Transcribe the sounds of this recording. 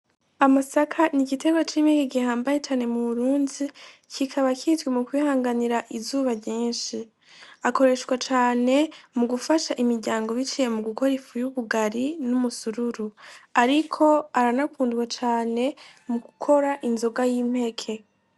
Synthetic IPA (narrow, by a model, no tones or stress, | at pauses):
amasakʰaniɡite̞ɡwat͡ʃiːmhe̞keɡihaːmbajet͡ʃaːne̞muβuɾuːndicʰikʰaβakitɡwemukwihaːŋɡaniɾaʔizuːβaɲiːnʃi | ako̞ɾe̞ʃɡwat͡ʃaːne̞muɡufaʃaʔimiɾɟaːŋɡo̞βit͡ʃije̞muɡuko̞ɾifujuβuɡaɾinumusuɾuɾuaɾikʰo̞aɾanakuːndɡwat͡ʃaːne̞muɡukʰo̞ɾaʔinzoɡajiːm̥he̞kʰe̞